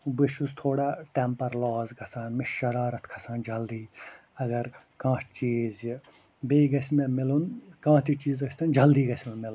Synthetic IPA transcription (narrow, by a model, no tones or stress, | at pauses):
biʃust̪ʰoːɽaːʈempɐɾlɔːzɡɐsaːnmɪʃɐɾaːɾɐt̪ʰkʰɐ̥saːnd͡ʒɐld̪iː | ɐɡɐɾ | kãːt͡ʃiːz | beːɡɐsmemɪlunkãːt̪ʰit͡ʃiːzɡɐsʲt̪ʰɐnd͡ʒɐld̪iːɡɐsʲmemɪln